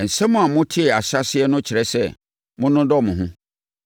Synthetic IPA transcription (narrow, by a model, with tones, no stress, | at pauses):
n̩˨sɛ̃˦mʊ̃˦a˨mʊ̃˦tʰɪ˦ɛ˨a˨ɕa˦sɪ˦ɛ˦nʊ̃˦t͡ɕʰɪ˨ɾɛ˦sɛ˦˨ | mʊ̃˦nʊ̃˦dɔ˦˨mʊ̃˨ɦʊ̃˦